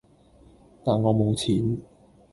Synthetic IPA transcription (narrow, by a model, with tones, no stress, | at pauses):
t̪aː˨˩nŋɔː˨˧mo˨˧wt͡sʰiː˨˥n